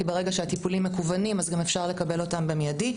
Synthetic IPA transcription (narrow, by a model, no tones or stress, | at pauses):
ibeʁe̞ɡaʃeatipulimːe̞kuvanimazɡamefʃaʁle̞kabe̞lo̞tambemejadi